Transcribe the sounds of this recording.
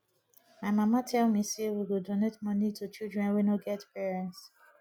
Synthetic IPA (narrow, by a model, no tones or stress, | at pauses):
maɪmamatʰɛlmisewiwudonetmɔnitʰut͡ʃildɹɛ̃nwinoɡɛtpɛɹɛ̃ns